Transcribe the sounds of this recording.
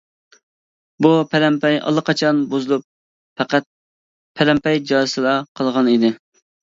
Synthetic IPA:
bupʰæɾɛmpɛjɑ̰lˠːəqʰɑt͡ʃʰɑnbozɨlˠup̚ | fæqæt̪̚ | pʰæɾɛmpɛjd͡ʒɑɨsɨlˠɑqʰəlˠʁɑnid̪ɪ

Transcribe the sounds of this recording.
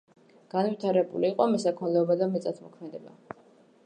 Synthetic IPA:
ɡ̥anvit̪ʰaɾɛbṵliːqʼɔmɛsakʰɔlɛɔbad̪amɛt̪sʼat̪ʰmɔkʰmɛd̪ɛba̰

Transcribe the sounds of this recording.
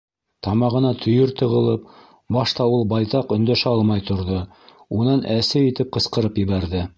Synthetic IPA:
t̪ɑmɑʁɤ̆nɑt̪ʰɵ̆jɵɾt̪ɤ̆ʁɤ̆lˠɤp | bɑʃt̪ɑulˠbɑjt̪ɑqɵ̆nd̪æʃæɑlˠmɑjt̪ŏɾðo | unɑnʔæsɘit̪ɘp̚qɤ̆sqɤ̆ɾɤpjɘ̆βæɾðɘ

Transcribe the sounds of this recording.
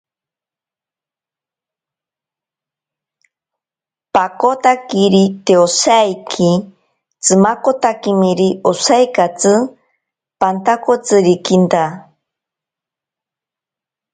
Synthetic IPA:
pakot̪akiɾit̪eosajkʰi | t͡sɨmakot̪akimiɾiosajkat͡sɨ | pant̪akot͡sɨɾikint̪a

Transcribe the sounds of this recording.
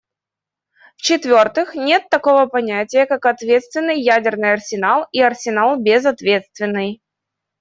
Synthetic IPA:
ft͡ɕɪt̪vʲo̞rt̪ɨxnʲe̞t̪ːɐko̞vəpɐnʲætʲɪjəkakɐt̪vʲe̞t̪st̪vʲɪnːɨjːædʲɪrnɨjɐrsʲɪnalˠiɐrsʲɪnalˠbʲɪzɐt̪vʲe̞t̪st̪vʲɪnːɨj

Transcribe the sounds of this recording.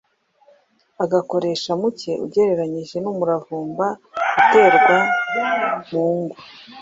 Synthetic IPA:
aɡako̞ɾe̞ːʃamuce̞ʔṵɟe̞ɾe̞ɾaɲiʒe̞numuɾavuːmbaɡute̞ːɾɡwa | muːŋɡu

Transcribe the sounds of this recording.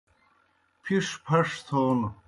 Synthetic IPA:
pʰiʂpʰɐʂt̪ʰoːn

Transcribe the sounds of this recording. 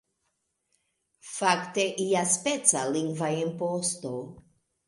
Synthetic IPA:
fakt̪eʔiaspet͡saliŋɡvaempost̪o

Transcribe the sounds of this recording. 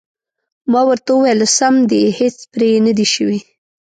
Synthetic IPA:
mɑwəɾt̪auwajlsamd̪ehet͡spɾenəd̪iʃəwi

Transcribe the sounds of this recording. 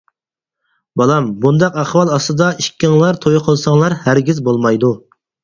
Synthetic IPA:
bɑlˠɑmbund̪ɑqæχwɑlˠɑst̪ɨd̪ɑiʃkʲʰːɪŋlˠɑɾt̪ʰojqʰəlˠsɑŋlˠɑɾhæɾɡʲizbolˠmɑjd̪u

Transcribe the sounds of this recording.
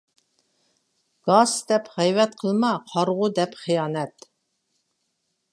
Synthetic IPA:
ɡ̥ɑsd̪̥ɛpʁɛjvɛt̪̚qʰəlˠmɑqʰɑɾʁʊd̪ɛpχijɑːnɛt̪

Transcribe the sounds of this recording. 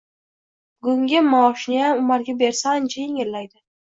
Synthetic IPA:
ɡʊŋɡʲɪmaɒʃnɪjamʊmaɾɡʲabe̞ɾsant͡ʃʰajeŋʲɪllajd̪ɪ

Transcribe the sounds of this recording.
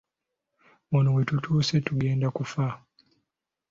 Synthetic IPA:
munuwetutʰuːsetuɡeːndakufa

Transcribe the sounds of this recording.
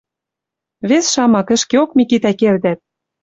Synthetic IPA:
βesʃɑmɑkɘ̆ʃkeokmikit̪ækeld̪æt̪̚

